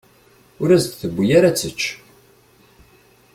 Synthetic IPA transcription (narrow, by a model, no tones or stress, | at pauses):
ʊɾæzt̪θəbːujaɾat͡sːət͡ʃː